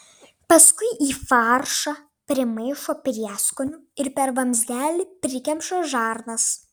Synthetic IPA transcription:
pɐskʊɪʔiːfɑɾʃɑ | pʲɾʲɪmɐɪʃoːpʲɾʲiɛskonʲʊɪɾpʲɛɾʋɐmʲzʲd̪ʲæːlʲɪpʲɾʲɪkʲɛmʃoːʒɑːɾnɐs

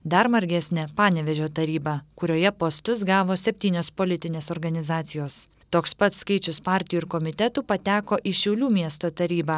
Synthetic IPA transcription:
d̪ɐɾmɐɾʲɡʲæsʲnʲɛpɑːnʲɛʋʲɛʒʲoːt̪ɐɾʲiːbɑːkʊɾʲoːjɛpoːst̪ʊs̬ɡɑːʋoːsʲɛpʲt̪ʲiːnʲoːspoːlʲɪt̪ʲɪnʲeːsɔɾɡɐnʲɪzɑːt̪sʲɪjoːs | t̪oːkspɐt̪skɐɪt͡ʃʲʊspɑːɾʲt̪ʲɪjuɪɾkɔmʲɪt̪ʲɛt̪uːpɐt̪ʲæːkoːʔɪʃʲɛʊlʲuːmʲiɛst̪oːt̪ɐɾʲiːbɑː

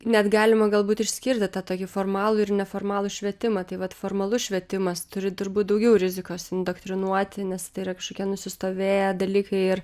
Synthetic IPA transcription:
nʲɛt̪ɡɑːlʲɪmɐɡɐlˠbuːt̪ɪʃʲsʲkʲɪɾʲt̪ʲɪt̪ɑt̪oːkʲɪfoːrmɑːlˠʊɪrnʲɛfoːrmɑːlˠuʃʲʋʲiɛt̪ʲɪmɐt̪ɐɪʋɐt̪foːrmɐlˠʊʃʲʋʲiɛt̪ʲɪmɐst̪ʊɾʲɪt̪ʊɾbuːt̪̚d̪ɐʊɡʲɛʊɾʲɪzʲɪkoːsɪnd̪oːkt̪ʲɾʲɪnuɔt̪ʲɪnʲɛst̪ɐɪiɾɐkɐʃkoːkʲiɛnʊsʲɪst̪oːʋʲeːjɛd̪ɐlʲiːkɐɪɪr

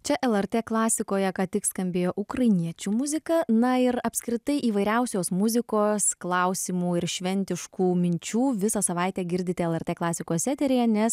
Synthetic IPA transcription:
t͡ʃʲɛʔɛlˠɛrʲt̪ʲeːklˠɑːsʲɪkoːjɛkɑːt̪ʲɪkskɐmʲbʲeːjoːʔʊkɾɐɪnʲiɛt͡ʃʲuːmʊzʲɪkɐnɐɪɾɐpʲskɾʲɪt̪ɐɪʔiːʋɐɪɾʲɛʊsʲoːsmʊzʲɪkoːsklˠɐʊsʲiːmuːɪɾʃʲʋʲɛnʲt̪ʲɪʃkuːmʲɪnʲt͡ʃʲuːʋʲɪsɐsɐʋɐɪt̪ʲɛːɡʲɪɾʲd̪ʲɪt̪ʲɛɛlˠɛɾʲt̪ʲeːklˠɑːsʲɪkoːssʲɛt̪ʲɛɾʲejɛnʲɛs

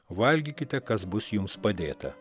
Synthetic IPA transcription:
ʋɐlʲɡʲikʲɪt̪ʲɛkɐsbʊsjʊmspɐd̪ʲeːt̪ɐ

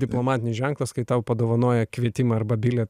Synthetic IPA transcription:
d̪ʲɪplˠomɑːt̪ʲɪnʲɪsʒʲɛŋklˠɐskɐɪt̪ɐʊpɐd̪oːʋɐnoɔːjɛkʋʲiɛt̪ʲɪmɐɐɾbɐbʲɪlʲɛ

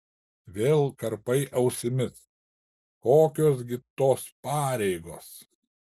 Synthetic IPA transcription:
ʋʲeːlˠkɐɾpɐɪʔɐʊsʲɪmʲɪs | koːkʲoːs̬ɡʲɪt̪oːspɑːɾʲɛɪɡoːs

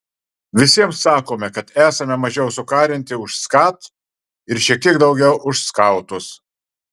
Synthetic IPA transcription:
ʋʲɪsʲiɛmsːɑːkoːmʲɛkɐt̪æːsɐmʲɛmɐʒʲɛʊsʊkɑːɾʲɪnʲt̪ʲɪʊʃskɑːt̪ | ɪɾʃʲiɛk̚t̪ʲiɛkd̪ɒʊɡʲɛʊʔʊʃskɐʊt̪ʊs

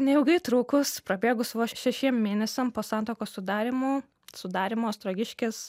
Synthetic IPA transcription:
nʲɛɪʊɡɐɪt̪ɾuːkʊspɾɐbʲeːɡʊsʋoːʃʲɛʃʲiɛmmʲeːnʲɛsʲɛmpoːsɑˑnt̪oːkoːssʊd̪ɑːɾʲɪmuː | sʊd̪ɑːɾʲɪmoːst̪ɾoːɡʲɪʃʲkʲes

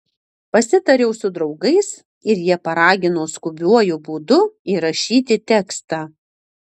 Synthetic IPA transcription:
pɐsʲɪt̪ɐɾʲɛʊsʊd̪ɾɒʊɡɐɪs | ɪɾjiɛpɐɾɑːɡʲɪnoːskʊbʲuɔjʊbuːd̪ʊiːɾɐʃʲiːt̪ʲɪt̪ʲɛkst̪ɑː

